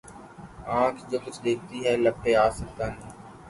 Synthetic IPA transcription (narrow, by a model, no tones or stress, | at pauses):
ãːkʰd͡ʒoːkʊt͡ʃʰd̪eːk̚ʰt̪iɦɛːləpʰːeaːsək̚t̪aːnɛː